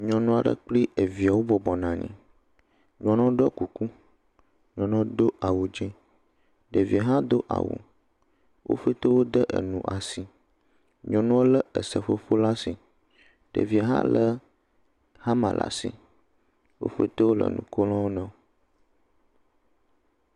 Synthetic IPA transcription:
ɲɔ̃˨nɔ̃˦a˨ɖə̰˦k͡pli˦ʔə˨vi˨a˨wo˦bɔ˨bɔ˨nã˨ɲḭ̃˨ | ɲɔ̃˨nɔ̃˦ɖɔ˦ku˨ku˦ | ɲɔ̃˨nɔ̃˦d̪o˦ʔa˨wo˨d͡ʒɛ̃˦ | ɖə˨vi˨a˨ɦã˦d̪o˦ʔa̰˨wṵ˨ | wʔo̰˦fə˦t̪ə˦wo˦d̪ə˦ʔə̰˨nũ˨ʔa˨si˨ | ɲɔ̃˨nɔ̃˦wo˦lə˦ə˨sə˨fo˦fo˦la˦si˨ | ɖ̥ə̰˨vi˨a˨ɦã̰˦lʔə˦ | ha˦mã̰˨lʔa̰˨sḭ˨ | wo̰˦fə̰˦t̪o˦wo˦lə̰˨nṵ̃˨ko˦lɔ̃˦wo˦nɔ̃˦

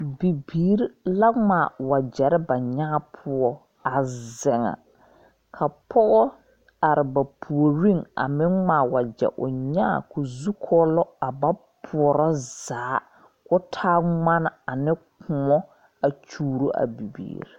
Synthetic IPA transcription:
bi˨biː˨˦ɾla˦ŋa˨wa˨d͡ʒɛ˨ɾɪ˦ba˨ɲaː˦pʰʊ˦ɔ˦ | a˨zɛ˨ŋa̰˨ | kʰa˨pʰɔ˦ʔɔ˦ | a˨ɾɪ˨ba˨pʰu˨o˨ɾi˦ŋa̰˨mɪ˦ŋaː˨wa˨d͡ʒɛ̰˨ʔʊ̰˨ɲaː˦˨kʊ˨zu˦kʰɔː˦lɔ˦a˨ba˦pʰʊ˨ɔ˨ɾɔ˦z̥aː˨˦ | kʊ˦tʰaː˦ŋa˦na˨a˨nɪ˦kʊ˨mɔ˦ | a˨t͡ʃuː˦ɾo˦ʔa̰˨bi˨bḭː˨˦ɾi˨

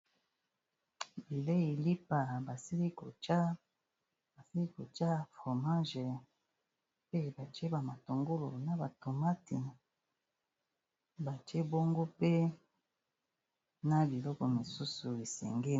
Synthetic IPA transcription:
bi˨le˦i˨li˦pa˨ba˨si˦li˦ko˨t͡ʃa˦ | ba˨si˦li˦ko˨t͡ʃa˦fo˨ma˦ʒe˨ | pe˦˨ba˨t͡ʃe˦ba˨ma˨to˨ŋɡo˦lo˨na˨ba˨to˨ma˦ti˨ | ba˨t͡ʃi˦e˦bo˦ŋɡo˦pe˦ | na˦bi˨lɔ˦kɔ˨mi˨su˦su˨e˨sɛ̰˨ŋɡe˦

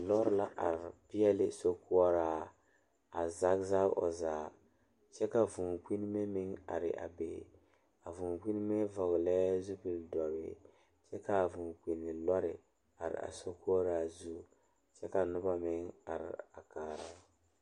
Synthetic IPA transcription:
lɔ˦ɾla˦ʔa˨ɾɪ˨pɪ˦ɛ˦lɪ˦so˦ku˦ɔ˦ɾaː˦˨ | a˨za˦kza˦ʔɔ̰˨zaː˨ | t͡ʃɛ˦ka˨vu˨ŋki˦n˦mɛ˦mɪ˦ŋa̰˨ɾɪ̰˨ʔa̰˨be˨ | a˨vu˨ŋki˦n˦mɛ˦vɔ˨ɣlɛ˦zu˦bi˨ldɔ˨bɪ̰˦ | t͡ʃɛ˦ka˨vu˨k͡pi˨nːɪ˨lɔ˦ɾɪ˨ | a˨ɾɪ̰˨ʔa̰˨so˦ku˦ɔ˦ɾaː˦zu˦ | t͡ʃɛ˦ka˨nʊ˦ba˦mɪ˦ŋa˨ɾɪ̰˨a˨kaː˨ɾa˦

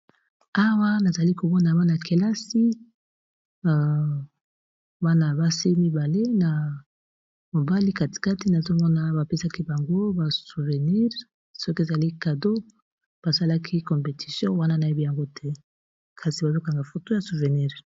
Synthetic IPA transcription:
a˦wa˦na˨za˨li˦ko˨mɔ˦na˨ba˦na˨kʰe˨la˦si˦˨ | ba˦na˨ba˦si˦mi˦ba˨le˦na˨ | mo˨ba˦li˦ka˨ti̥˨ka˦ti˦na˨zo˦mɔ˦na˦ba˨pe˦sa˦ki˦ba˨ŋɡo˦ba˨su˨ve˨ni˦ʁ | sɔ˦ke˨za˨li˦ka˨do˦ | b̥a˨sa˦la˦kʰi˦kɔ̃˨mpe˨ti̥˨sjɔ̃˦wa˦na˦na˨e˦bi˦ja˨ŋɡo˦tʰɛ˦ | kʰa˨si˨ba˨zo˦ka˨ŋɡa˨fo˨to˦ja˨su˨ve˨ni˦ʁ

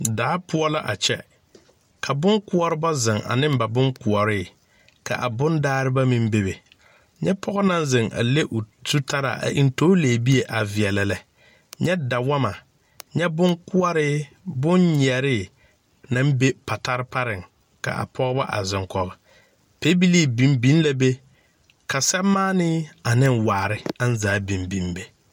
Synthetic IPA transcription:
daː˨˦pʊ˦ɔ˦la˦ʔa˨t͡ʃɛ̰˦ | kʰa˨bʊ˦ŋkʊ˦ɔ˦ɾɪ˦ba˦zɪ˨ŋa̰˨nɪ˦m˦ba˨bʊ˦ŋkʊ˨ɔ˨ɾɪ˦˨ | ka̰˨ʔa˨bʊ˦ndaː˦ɾɪ˦ba˦mɪ˦m˦be˨be˨ | ɲɛ˦pʰɔ˦ɣɔ˦na˦nzɪ˨ŋʔa̰˨le˦ʔʊ˨tu˦ta˦ɾa̰˨ʔa̰˨ʔi˦n˦toː˦le˨bi˦e˨ʔa˨vɪ˨ɛ˨la˨la˨ | ɲɛ˦da˨wa˦ma˨ | ɲɛ˦bʊ˦ŋkʊ˦a˦ɾɪ˦ | bʊ˦nɲ˨ɛ˨ɾɪ˦ | na˦m˦be˦pa˨ta˦ɾɪ˦pa˦ɾɪ˨ŋ | ka̰˨a̰˨pʰɔ˦ɡɔ˦ba˦ʔa̰˨zɪ˨ŋkɔ˨ba˨ | pe˦bi˦li˦bi˦m˦bi˦n˦la˨be˦ | ka˨sɛ˦mːaː˦nɪ˦a˨nɪ˦ŋwaː˨ɾɪ˦a˦n˦zaː˨˦bi˨mbi˨nbe˨

